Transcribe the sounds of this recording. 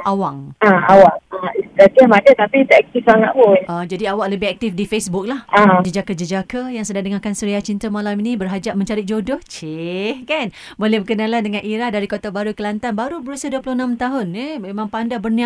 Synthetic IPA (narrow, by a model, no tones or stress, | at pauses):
ʔawaŋaawaʔ̚akak̪iamadət̪apit̪aʔak̚t̪ifsaŋaʔboiəd͡ʒadiawaʔləbɪhak̚t̪ɪfdifesbʊk̚lahad͡ʒəd͡ʒakəd͡ʒəd͡ʒakəjaŋsədadəŋakansəɾiat͡ʃint̪əmalaminibərɦad͡ʒaʔ̚mə̃ɲt͡ʃaɾid͡ʒodoht͡ʃehkan | bolɛhbəkənalahdəŋanʔiɾahdaɾikot̪abaɾukəlant̪anbaɾubəɾusaduəpulʊhnamt̪aɦʊnəmemãŋpandabərni